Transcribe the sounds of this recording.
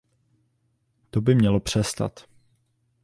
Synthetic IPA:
t̪obɪmɲɛlo̞pr̝̥ɛst̪a̰t̪

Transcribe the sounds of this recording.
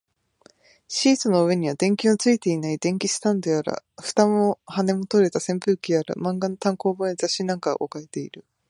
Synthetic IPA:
ɕiːzɨno̞ɯ̟e̞ɲ̟iβad̪ẽ̞ŋkʲiot͡sɨit̪e̞inaid̪ẽ̞ŋkʲisɨ̥t̪ãnd̪eaɾa̰ɸɯ̥t̪amohane̞mo̞t̪o̞ɾe̞t̪asẽ̞mpɯːkʲiaɾa̰mãŋɡanot̪ãŋko̞ːboɲizaɕinãŋka̰ʔo̰kaet̪e̞ḭɾɯ̟

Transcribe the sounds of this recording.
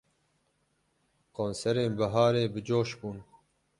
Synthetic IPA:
koːnsɛɾeːnbaɦɑːɾeːbɨd͡ʒoːʃbuːn

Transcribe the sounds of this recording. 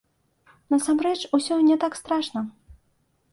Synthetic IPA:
nɐsamrɛt͡ʂusʲɔnʲɛt̪akst̪ɾaʂnɐ

